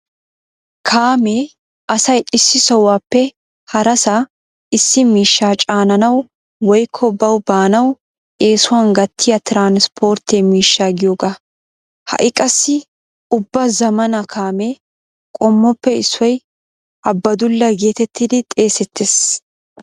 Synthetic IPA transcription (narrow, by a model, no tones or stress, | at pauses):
kʰaːmeː | ʔɐsɐjɪsːɪsɔwaːpːɛ | hɐɾɐsa | ʔɪsːɪmiːʃːaːt͡ʃʼaːnɐnɐw | wɔjkʰːɔbɐwbaːnɐw | ʔe̞ːsʊwaːnɡɐt̪ʰːɪjɐt̪ɪɾaːnspʰo̞ːɾt̪emiːʃːaːɡɪjoːɡa | hɐ̰ʔɪkʼɐsːɪ | ʊbːɐzɐmɐnɐkʰaːme̞ː | kʼɔmːɔpːɛɪsːɔj | ʔɐbːɐd̪ʊlːɐɡe̞ːt̪ɛt̪ːɪd̪ɪt̪ʼe̞ːsɛt̪ːeːs